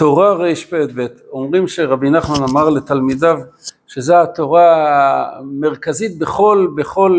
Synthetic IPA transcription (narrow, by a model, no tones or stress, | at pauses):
to̞ʁaʁejʃpet̪̚bet̪o̞mʁimʃeʁabinaχmanamaʁle̞t̪almidavʃezeat̪o̞ʁa | me̞ʁkazit̪̚beχo̞lbe̞χo̞l